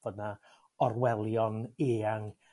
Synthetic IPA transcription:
v̥əna | ɔrwɛlˠjɔneːaŋ

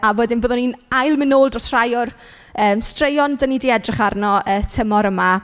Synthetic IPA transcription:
avweːdɪnboːðɔninajlˠmɪnoːlˠdɔrsr̥ajʊr | əːmstrejɔndənidiɛdrɪχarnɔəːtʰəmɔɾəma

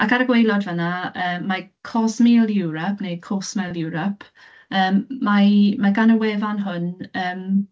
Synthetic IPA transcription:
akaɾəɡwejlɔdvənaəːakʰɔsmilˠjuwɾɔpʰnejdkʰɔsmɛlˠjʊwɾɔpʰ | əːmːamaɡanəwɛːvanɦʊnəːm

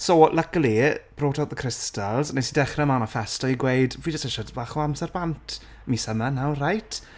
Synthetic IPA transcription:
soləkəlˠib̥roːtʰawðəkʰɾɪstalˠznesidɛχrɛmanɔfɛstɔiɡwejdviːd͡ʒəstɛʃɔdbaːχoamsɛrbantʰ | misəmanawrajtʰ

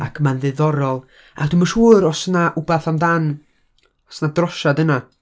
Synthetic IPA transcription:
a̰kʰmanðɨðɔɾɔlˠ | adɪmaʃuːɾɔsnaʔʊbaθamdan | ɔsnadrɔʃadəna

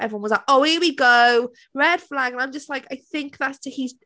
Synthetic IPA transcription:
ʔɛviwʌ̃nwʌzlaɪkoʊhɪwiɡoʊ | ɹɛd̥flaɡə̃nãɪ̃md͡ʒʌst̚ˡlaɪkaɪθɪ̃ŋk̚ðatstʰəhiz

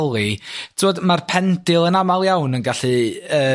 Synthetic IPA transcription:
lˠitʰoːdmarpʰɛndɪlˠənamalˠjawnənɡaɬɨəː

